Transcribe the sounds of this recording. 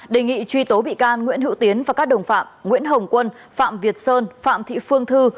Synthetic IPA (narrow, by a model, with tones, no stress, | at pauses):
ɗe˨˩ŋḭ˧˨t͡ɕwi˧t̪o˨˦ɓḭ˧˨kaː˧nŋwḭ˧˥ənhḭ˧˥wt̪i˨˦ənvaː˨˩kaː˦˥k̚ɗə˨˩wŋ͡mfa̰ː˧˨mŋwḭ˧˥ənɦə˨˩wŋ͡mkwə˧n | fa̰ː˧˨mvi˨˩ət̚səː˧nfa̰ː˧˨mt̪ʰḭ˧˨fɨ˧əŋt̪ʰɨ˧